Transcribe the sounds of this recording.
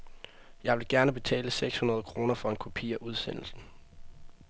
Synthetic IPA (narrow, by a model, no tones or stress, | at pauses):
jɑ̈ɪʋe̝lɡ̥æɐnəb̥e̝t͡sʰɛ̰ːləseɡ̥shunɐð̞ˠkʰʁo̝ːnɐfɒ̽e̝nkʰupʰḭːɐʔuð̞ˠsen̰l̩sn̩